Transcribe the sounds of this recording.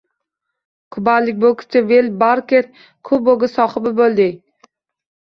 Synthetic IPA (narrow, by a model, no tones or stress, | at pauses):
kʰʊbalɪk̚ʲbokʲʰɪ̥t͡ʃʰɪvelbaɾkʲeɾ | kʰʊboɡɪsɒχɨbɪbolˠd̪ɪ